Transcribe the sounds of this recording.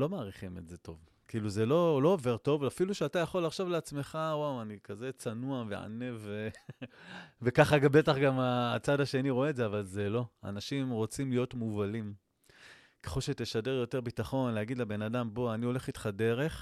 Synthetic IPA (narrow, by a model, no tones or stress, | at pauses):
lo̞maːʁiχimetze̞to̞v | kiiluze̞lo̞lo̞ːve̞ʁto̞vafiluʃeatajaχo̞laχʃavleat͡sme̞χawawanikaze̞t͡sanuavḛʕa̰ne̞ve | vekaχaɡabe̞taχɡamaːt͡sadaʃe̞niʁoeːtzeavalzelo̞a̰naʃimʁo̞t͡simlijo̞tmuvalim | keχolʃet̪eʃadeʁjo̞te̞ʁbitaχo̞nleaɡid̪lebe̞nadambo̞anio̞le̞χitχade̞ʁe̞χ